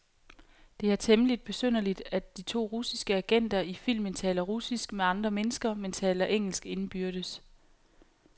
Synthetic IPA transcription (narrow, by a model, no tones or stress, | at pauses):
d̥e̝æɐt͡sʰeməlid̥̚b̥e̝søn̰ɐlid̥ædd̥it͡sʰo̝̰ːʁusisɡ̥əæɡ̥en̰d̥ɐifil̰mənt͡sʰɛ̰ːlɐʁusisɡ̥meɑ̈nd̥ʁɐmenəsɡ̥ɐment͡sʰɛ̰ːlɐʔeŋ̰l̩sɡ̥e̝nb̥yɐɾ̥əs